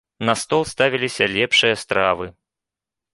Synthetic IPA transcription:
nɐst̪ɔlˠst̪avʲilʲisʲɐlʲɛpʂɨjɐst̪ɾavɨ

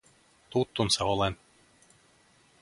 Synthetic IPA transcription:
t̪ut̪ːunseolen

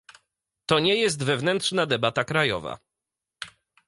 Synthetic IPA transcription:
t̪ɔɲɛjɛs̬t̪vɛvnɛnt̪ʂnad̪ɛbat̪akɾajɔ̰va̰

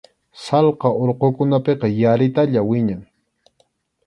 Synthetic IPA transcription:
sɑlqɑʔoɾqokʊnapeqɑjaɾɪt̪aʎawɪɲaŋ

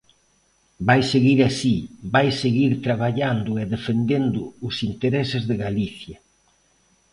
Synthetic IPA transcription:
bajseɣiɾasibajseɣiɾt̪ɾaβ̞aʎand̪ʊɛðefend̪end̪ʊʊsint̪eɾɛsɪzðɪɣaliθjɐ

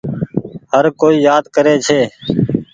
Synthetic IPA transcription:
həɾkoːiːjaːd̪kəɾeːt͡ʃʰeː

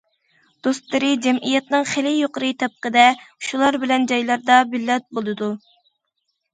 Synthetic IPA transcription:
d̪̥ost̪lˠɨɾɨd͡ʒɛmʔijɛt̪nɨŋχɪlɪjoqəɾɨt̪ʰɛp̚qəd̪ɛʃulˠɑɾbɪlɛnd͡ʒɑjlˠɑɾd̪ɑbɪlːɛt̪̚bolˠɨd̪u

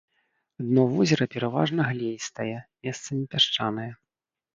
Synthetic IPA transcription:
ad̪nɔvɔzʲɐɾɐpʲɛɾava̰ʐnɐɣlʲejst̪ajɛmʲɛst̪sɐmʲipʲaʂt͡ʂanɐjɛ

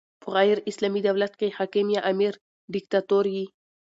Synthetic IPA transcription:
bʊɣajɾɪslamid̪awlat̪̚kehakimjaʔamiɾ | ɖɪk̚t̪at̪oɾji

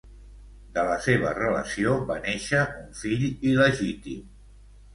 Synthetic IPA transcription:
d̪ələseβərələ̰sioβaneʃəuɱfiʎiləʒit̪im

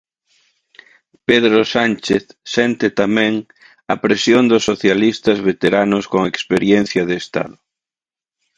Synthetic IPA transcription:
peðɾosant͡ʃeθsɛnt̪ɪt̪amɛ̃ŋ | ɐpɾesjond̪ʊsːoθjalist̪ɐzβet̪eɾanʊskoŋekspeɾjɛnθjɐðeːst̪a̰ðʊ

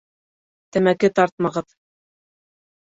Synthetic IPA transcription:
t̪æmækɘt̪ɑɾt̪̚mɑʁɤð

